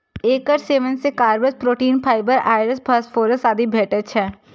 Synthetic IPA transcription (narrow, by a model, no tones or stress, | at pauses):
eːkəɾseːʋənsekaːɾbəspɾoːʈiːnpʰaːɪbəɾaːɪɾəspʰəsfʰoːɾəsaːd̪ibʱeːʈət͡ʃʰɦɛː